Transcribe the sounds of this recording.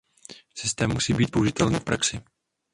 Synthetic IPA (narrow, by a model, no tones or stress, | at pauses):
sɪst̪ɛːmːusiːbiːt̪̚pouʒɪt̪ɛlniːfpɾaksɪ